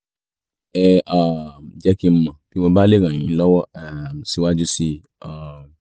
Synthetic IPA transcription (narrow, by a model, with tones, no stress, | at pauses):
ɛ˧a˨d͡ʒɛ˧˦kĩ˧m̩˧mã˨ki˨˦mɔ̃˧ba˦le˦˨ɾ̃ã˨j̃ĩ˨˦lɔ˦wɔ˦ɛ˨si˧wa˦d͡ʒu˦si˧ | a˨